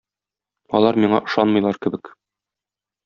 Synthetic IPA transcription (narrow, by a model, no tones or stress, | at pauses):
ɒ̰lˠɑɾmiɴɑ̰ʔɤ̆ʃɑnmɤ̆jlˠɑɾkɘ̆bɘk